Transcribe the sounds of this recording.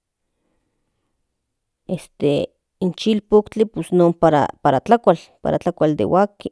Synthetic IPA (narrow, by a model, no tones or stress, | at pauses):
est̪e | int͡ʃilpokt͡ɬiposnoːmpaɾa̰paɾat͡ɬakʷalpa̰ɾat͡ɬakʷald̪ḛwʔaki